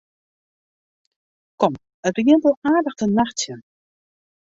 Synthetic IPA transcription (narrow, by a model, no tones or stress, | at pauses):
kɔm | ətəɡiəntəlˠaːdəxtənaxtjə